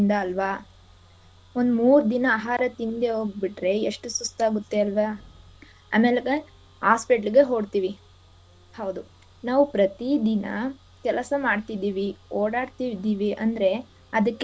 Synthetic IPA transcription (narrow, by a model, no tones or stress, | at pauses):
nd̪ɐːlʋa | ond̪umuːɾud̪inɐaːɦaːɾɐt̪ind̪eɦo̞ːɡbiʈɾe̞eʂʈusust̪aːɡut̪ːeɐlʋa | a̰ːmeːlekɐ | aːspeʈɐliɡe̞ɦo̞ːɖt̪iːʋi | hɐwd̪u | naːʋupɾɐt̪id̪inɐ̰ | kɛlɐsɐmaːɖt̪id̪iːʋioːɽaːɖt̪id̪iːʋiʔɐnd̪ɾe̞ | ɐd̪ɐkːe